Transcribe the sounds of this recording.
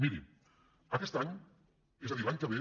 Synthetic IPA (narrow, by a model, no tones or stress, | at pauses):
miɾḭ | ɐkɛst̪aɲ | ezaðiɾlaɲkaβe